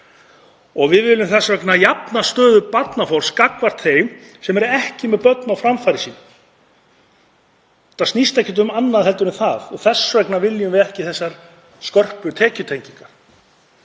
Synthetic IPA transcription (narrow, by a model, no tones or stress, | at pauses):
ɔɣvɪðvɪːlʏmθɛsːvœknajapnast̪œːðʏpat̪nafɔɾ̥skakvar̥t̪θejm | sɛmɛɾɛhcɪmɛðpœt̪nawfɾamfajɾɪsiːn | t̪asnist̪ɛhcːɪt̪̬ʏmanːaðhɛlt̪ʏɾʏmθaθɔɣθɛsːvœknavɪljʏmvɪðɛhcɪθɛsːaɾ̥ | skœr̥pʏt̪ʰɛːcʏt̪ʰejɲciŋkaɾ̥